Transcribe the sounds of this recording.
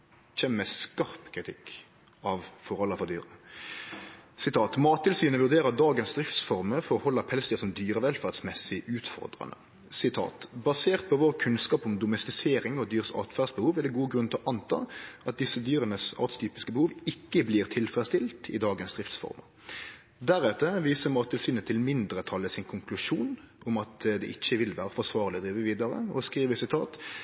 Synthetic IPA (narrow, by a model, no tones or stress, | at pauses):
çɛmmɛskɑʁpkʰɾɪt̪ʰɪkː | ɑʋfɔɾhɔlːəfɔʁd̪yːɾə | sɪt̪ʰɑːt̪mɑːt̪ʰːɪlsyːnəʋʉʁd̪eːɾəd̪ɑːɡənsd̪ʁɪft̪sfɔʁməfɔɔhɔlːəpʰɛlst̪əsɔmd̪yːɾəʋɛlfæʁt̪smɛsɪʔʉːt̪fɔ̰ʁd̪ʁɑ̰nə̰ | sɪt̪ʰɑ̰ːt̪bɑseːʁt̪̚pʰɔʋoːʁkʰʉnskɑːpɔmd̪ʊmɛst̪ɪseːɾɪŋɔd̪yːʁsɑ̰t̪fæʁd̪sbəhuːʋæd̪ɛɡuːəɡɾʁʉnt̪ʰɪlɔʔɑnt̪ʰɑ̰ːʔɑt̪̚d̪ɪsːəd̪yːʁənəsɑ̰ːt̪st̪ʰyːpɪskəbəhuːʋɪkːəbliːʁt̪ʰɪlfʁɛst̪ɪlt̪ʰɪ̰d̪ɑːɡənsd̪ɾɪft̪sfɔ̰ɾmɑ | d̪æɾɛt̪ːəʋiːsəmɑːt̪ʰɪlsyːnət̪ʰɪlmɪnd̪ɾət̪ʰɑlːəsɪnkʰʊŋkʰlʉʂuːn | ʔʊmɑt̪d̪ɛ̰ʔɪçːəʋɪlʋæːɾəfɔʁʂʋɑːʁlɪd̪ɾiːʋəʋiːd̪ɑɾə̰ɔ̰skʁiːʋəsɪt̪ʰɑːt̪